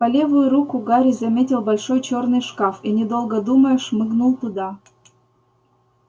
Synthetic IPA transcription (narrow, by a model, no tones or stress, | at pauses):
pɐlʲevʊjʊɾukʊɡaɾʲizɐmʲetʲɪlˠbɐlʲʂojt͡ɕornɨjʂkɑfinʲɪd̪olˠɡəd̪uməjʊʂmɨɡnulˠt̪ʊd̪ɑ